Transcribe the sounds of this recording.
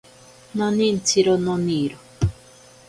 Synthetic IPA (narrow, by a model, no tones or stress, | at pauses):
nɔnĩn̩tʰiɾɔnɔniɾɔ